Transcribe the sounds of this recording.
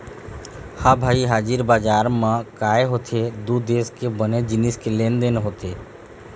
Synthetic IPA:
hãbʱaːiɦaːd͡ʒiɾbaːd͡ʒaːɾmãkaːeɦoːt̪ʰed̪ud̪eːskebəned͡ʒɪnɪskeleːnd̪eːnɦoːt̪ʰeː

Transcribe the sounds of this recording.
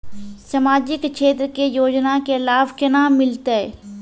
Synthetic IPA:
səmaːd͡ʒɪkkʃeːt̪ɾəkejoːd͡ʒnakelaːbkənamɪlt̪e

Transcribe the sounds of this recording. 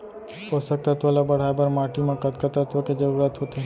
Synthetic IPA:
osək̚t̪ət̪ʋəlabəɽ̤aːebəɾmaːʈimãkət̪kət̪ət̪ʋəked͡ʒəɾuːɾaːt̪ɦoːt̪eː

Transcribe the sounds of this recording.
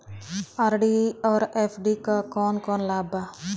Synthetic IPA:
aɾɖiɔːɾefʰɖikakɔːnkɔːnlaːba

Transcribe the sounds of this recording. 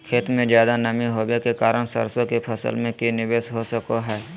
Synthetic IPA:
kʰeːt̪mẽd͡ʒjaːd̪anɐmĩɦoːbekekaːɾəɳ̃sə̰ɾsõkepʰəsə̰lmẽkinɪʋeːsɦosəkoɦɛː

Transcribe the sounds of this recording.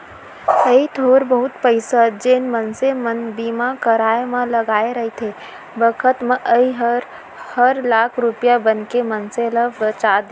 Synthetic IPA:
səit̪ʰoːɾbəɦʊt̪pəɪsəd͡ʒeːnmənsemənbimakəɾaːemẽləɡaːeɾəɦit̪ʰe | bəkʰət̪mẽʔəiɦ | həɾlaːkʰɾupjabənkemənseləbbət͡ʃad̪

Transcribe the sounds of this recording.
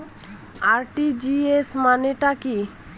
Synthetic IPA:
aɾʈid͡ʑiesmaneʈaki

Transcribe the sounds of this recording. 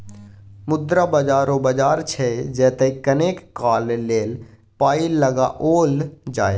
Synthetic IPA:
mʊd̪ɾabəd͡ʒaːɾobəd͡ʒaːɾt͡ʃʰɛd͡ʒɛːt̪eikənekːaːlleːl | paːiləɡaʔoːld͡ʒaːe

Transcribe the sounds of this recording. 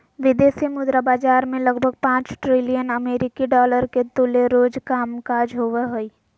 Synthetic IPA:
ʋɪd̪eːsimʊd̪ɾabaːd͡ʒaːɾmẽləɡbʱəɡ̚pãːt͡ʃʈɾɪlijənəmeːɾɪkiɖɔːləɾket̪ʊleɾoːd͡ʒkaːmkaːd͡ʒɦoːʋeɦoiː

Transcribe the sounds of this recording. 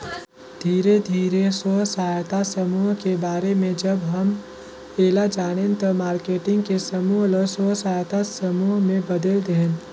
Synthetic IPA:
d̪ʱiːɾed̪ʱiːɾesoːsaːjt̪asɐmuːɦkebaːɾemẽd͡ʒɐbɦɐm | eːlad͡ʒaːɽ̃ent̪ɐmaːɾkeːʈɪ̃ŋɡkesɐmuːɦləsoːsaːjt̪asɐmuːɦmẽbɐd̪əld̪eɦẽn

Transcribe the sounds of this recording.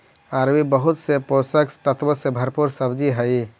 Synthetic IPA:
aɾbibəɦut̪seposəkt̪ət̪ʋəɾsebʱəɾpuɾsəbd͡ʒiɦəj

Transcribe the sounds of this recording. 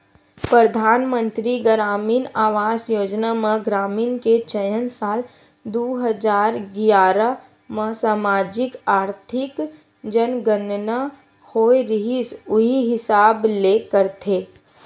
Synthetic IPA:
pɾəd̪ʱaːnmə̃nt̪ɾiɡəɾaːmiːnaːʋaːsjoːd͡ʒnaməɡɾaːmiːnket͡ʃəjənsaːl | d̪oːɦəd͡ʒaːɾɡjaːɾa | məsaːmaːd͡ʒɪkaːɾt̪ʰɪk | d͡ʒənɡənna | hoːeɾɪɦisʊɦiɦɪsaːbleːkəɾt̪ʰeː

